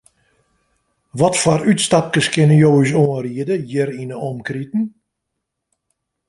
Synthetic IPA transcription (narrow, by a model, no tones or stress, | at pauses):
ʋɔtfɔrytstap̚kəskɪnəjoːisoənriədəjəɾinəɔmkritn̩